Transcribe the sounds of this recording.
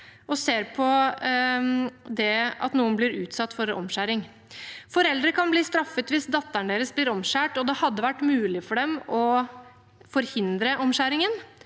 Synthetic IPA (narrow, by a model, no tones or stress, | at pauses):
ɔseːɾpʰɔ | d̪ɛɑ̰t̪nuːənblɪɾʉːt̪sɑt̪ːfɔɾɔ̰mɕæːɾɪŋ | fɔɾɛld̪ɾəkʰɑnbliːst̪ɾɑfːət̪ʋɪsd̪ɑt̪ːæɳɖeːɾəsblɪːɾɔmɕæːʈɔd̪ɛhɑd̪ːəʋæʈːmʉːlɪfɔɖɛmɔ | fɔɾhɪnd̪ɾəʔɔmɕæːɾɪŋən